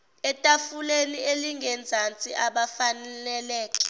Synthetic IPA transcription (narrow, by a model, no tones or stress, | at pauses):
ɛtʼafulenieliŋʱɛnd͡zʱant͡sʼiʔaɓafanɛlɛlɛːkʼɛ̥